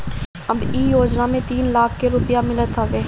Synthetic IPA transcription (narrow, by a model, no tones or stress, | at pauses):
ɐbiːjoːd͡ʒnamẽt̪iːnlaːkʰkeɾʊpijamɪlət̪ʰaʋeː